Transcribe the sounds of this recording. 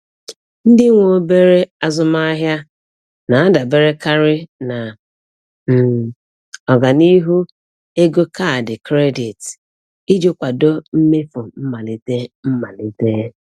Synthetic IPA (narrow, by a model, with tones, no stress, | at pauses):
n̩˦dɪ˦ŋʷo˨be˦ɾe˦a˦zʊ˦ma˦a˦ɦja˦ | na˨a˦da˨be˦ɾe˦ka˦ɾɪ˦na˨ | ɔ˨ɡa˨ni˦ɦu˦ | e˦ɡo˦ka˦˨dɪ˨kɾe˦di˨t | i˦d͡ʒo˦kʷa˨do˦m̩˦me˦fʊ˨m̩˦ma˨li˨te˦m̩˦ma˨li˨te˦